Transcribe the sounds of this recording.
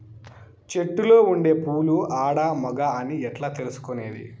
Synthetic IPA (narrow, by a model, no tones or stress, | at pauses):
t͡ʃe̞ʈːulo̞ːuɳɖe̞ːpuːluaːɽaːmɐɡaɐniɛʈlaːt̪e̞lusu̥kone̞̰ːd̪ḭ